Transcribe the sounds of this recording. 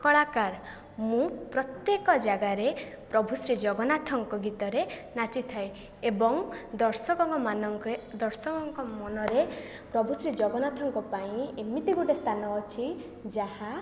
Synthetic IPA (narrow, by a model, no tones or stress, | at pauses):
kɔɭakaɾ | mũpɾɔt̪jekɔd͡ʒaɡaɾepɾɔbʱusɾid͡ʒɔɡɔnat̪ʰɔŋkɔɡit̪ɔɾenat͡ʃit̪ʰae | ebɔŋd̪ɔɾsɔkɔŋkɔmanɔŋkd̪ɔɾsɔkɔŋkɔmɔnɔɾe | pɾɔbʱusɾid͡ʒɔɡɔnat̪ʰɔŋkɔpaĩemit̪iɡoʈest̪ʰanɔːt͡ʃʰi | d͡ʒahã